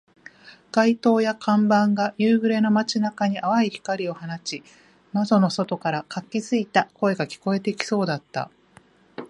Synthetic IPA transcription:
ɡ̥ait̪o̞ːjakʰãmbãŋɡajɯːɡɯ̟ɾe̞no̞mat͡ɕinakaɲ̟iʔaβaiçi̥kaɾʲio̞hanat͡ɕi | mazo̞no̞so̞t̪o̞kaɾakakʲːizɨit̪ako̞e̞ɡakʲi̥ko̞e̞t̪e̞kʲi̥so̞ːd̪at̪ːa̰

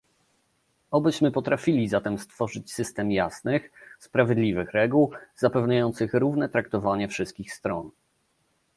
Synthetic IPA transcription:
ɔbɘɕmɘpɔt̪ɾafʲilʲizat̪ɛmst̪fɔʐɘt͡ɕsɘst̪ɛmjasnɘxspɾavʲjɛd̪lʲivɘxɾɛɡuwzapɛvɲajɔnt̪sɘxɾuvnɛt̪ɾakt̪ɔvaɲɛfʂɘst̪̚kʲixst̪ɾɔn

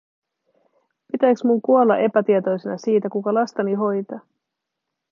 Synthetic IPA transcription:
pit̪æjksmuŋkuolːɑ̰ʔe̞pæt̪iet̪o̞jsenɑsiːt̪ækukɑlɑst̪ɑniɦo̞jt̪ɑː

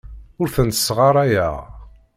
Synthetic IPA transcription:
ʊɾθənt̪ə̥sʁɑɾˤæjæ

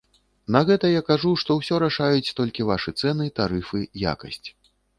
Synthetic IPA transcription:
nɐɣɛt̪ɐjakaʐuʂt̪ɔwsʲɔɾaʂajut͡sʲt̪ɔlʲkʲivaʂɨt̪sɛnɨt̪aɾɨfɨja̰kɐsʲt͡sʲ

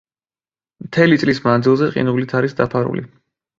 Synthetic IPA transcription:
mt̪ʰɛlit̪sʼlismand̪zilˠzɛqʼḭnulit̪ʰaɾisd̪apʰaɾṵlḭ

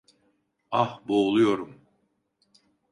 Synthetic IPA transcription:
ahboːlˠujo̞ɾum

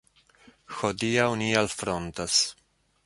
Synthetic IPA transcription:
xod̪iawnialfɾont̪as

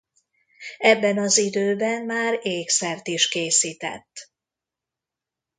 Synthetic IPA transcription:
ɛbːɛnɒzid̪øːbɛnmaːɾeːksɛrt̪iʃkeːsiːt̪ɛ̰t̪ː

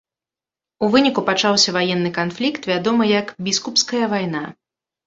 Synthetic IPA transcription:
uvɨnʲikupat͡ʂawsʲɐvajɛnːɨkanflʲikt̪vʲad̪ɔmɨjɐkbʲiskupskɐjɐvajna

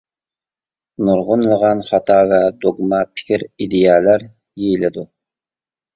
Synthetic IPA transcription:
nuɾʁʊnlˠʁɑnχɑt̪ʰɑvɛd̪oɡmɑpʰɪ̥kʲʰiɾid̪ejɛlæɾ | jejilɪd̪u

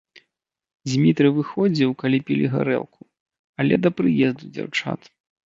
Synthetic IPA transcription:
d͡zʲmʲit̪ɾɨvɨxɔd͡zʲiwkalʲipʲilʲiɣa̰ɾɛ̰lˠkʰu | ɐlʲɛd̪ɐpɾɨjɛzd̪ud͡zʲa̰wt͡ʂa̰t̪

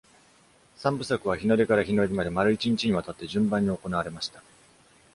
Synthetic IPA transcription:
sãmbɯ̟sakɯ̟βaçino̞ɾʲekaɾaçino̞ɾʲimad̪e̞maɾɯ̟it͡ɕiɲ̟it͡ɕiɲ̟iβat̪at̪ːe̞ʑɨ̃mbãɲ̟ːio̞ko̞naβaɾe̞maɕi̥t̪ḁ

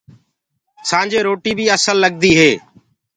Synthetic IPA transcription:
sãːnd͡ʒeːɾoːʈiːbʱiːəsəlːəɠ̚d̪iːɦeː

